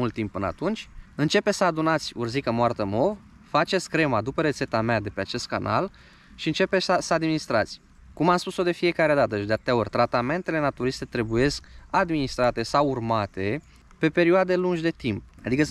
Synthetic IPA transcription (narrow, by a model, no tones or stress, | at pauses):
ult̪ːimp̚ːɨnəa̰t̪unt͡ʃʲɨnt͡ʃe̞pesəad̪unat̪sʲṵrzikəmoart̪əmo̞v | fat͡ʃesʲkɾe̞mad̪upəɾe̞t̪se̞t̪amead̪e̞pe̞at͡ʃe̞st̪̚ka̰nʔa̰l | ʃiɨnt͡ʃe̞peəsəad̪minist̪ɾat̪sʲ | kumamspuso̞d̪e̞fije̞kaɾe̞d̪at̪əet͡ʃd̪eat̪t̪eao̞rʲt̪ɾat̪ame̞nt̪e̞le̞nat̪uɾist̪e̞t̪ɾe̞buje̞skad̪minist̪ɾat̪e̞sawurmat̪e̞ | pe̞pe̞ɾioad̪e̞lunʒʲd̪e̞t̪imp̚ad̪ikə